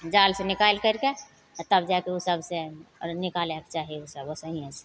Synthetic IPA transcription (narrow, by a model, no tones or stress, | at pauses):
d͡ʒaːlsenɪkaːlkəɾke | t̪əbd͡ʒakeosəbsenɪkalekt͡ʃaɦiosəbosəɦiɛse̥